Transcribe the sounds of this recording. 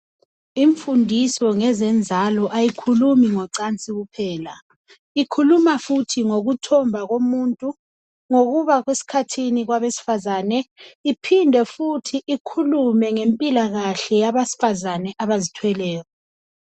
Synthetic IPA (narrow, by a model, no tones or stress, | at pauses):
iɱfundʱisɔŋɛzɛnd͡zʱalɔʔajikʰulumiŋɔǀant͡sʼiɣupʰɛːla | ikʰulumafutʰiŋoɣutʰɔmbʱaɣomuntʼu | ŋoɣuβaɣwesi̥kʰatʰiniɣwaβesi̥fazaːnɛipʰindʱɛfutʰiʔikʰulumɛŋempʼilaɣaɬɛjaβasi̥fazanɛʔaβazitʰwɛlɛːɣɔ